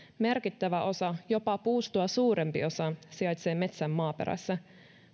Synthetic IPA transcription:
merk̟it̪ːæʋæʔo̞sɑjo̞pɑpuːst̪uɑsuːɾe̞mpḭo̞sɑsiɑjt̪seːme̞t̪sæmːɑːpeɾʔæ̰sːæ

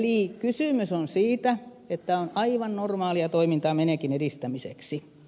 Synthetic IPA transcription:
liˑkysyˑmysonsiːt̪æ | et̪ːæonɑiʋɑnnormɑːliɑt̪oimint̪ɑːmeneˑkinediˑst̪æmisḛksi

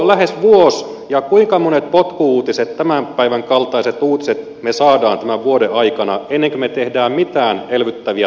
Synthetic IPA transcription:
læɦesʋuos | jɑkuiŋkɑmonet̪̚pot̪kuuːt̪iset̪t̪æmæmpæiʋæŋkɑlt̪ɑiset̪uːt̪i̥set̪ | mesɑːdɑːnt̪æmæʋuodeɑikɑnɑ̰enːeŋkømet̪ehdæːmmit̪æːnelʋyt̪ːæʋiæ

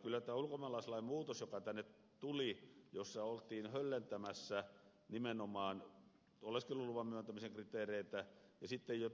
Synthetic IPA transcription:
kylːæt̪æːulkomɑlɑiselːˑɑimmuːt̪osjokɑt̪ænːet̪ | t̪ulijosːɑolt̪iːnhølːent̪æmæsːæ | nimenomɑːn | olːeskeluluʋɑmmyænt̪æmiseŋkrit̪eːreit̪æjɑsit̪ːejjo

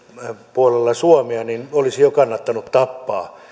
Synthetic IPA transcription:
puolelːɑsuɑmeɑninolisijokɑnːɑt̪ːɑnut̪t̪ɑpːɑː

